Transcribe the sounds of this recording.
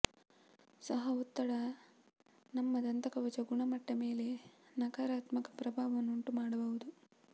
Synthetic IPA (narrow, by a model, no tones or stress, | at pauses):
sɐɦɐut̪ːɐɽɐ | nɐmːɐd̪ɐnt̪ɐkɐʋɐt͡ʃɐɡuɳɐmɐʈːɐme̞ːle̞nɐkaːɾaːt̪mɐkɐ̥pɾɐbʱaːʋɐnːuɳʈumaːɽɐbɐʋud̪u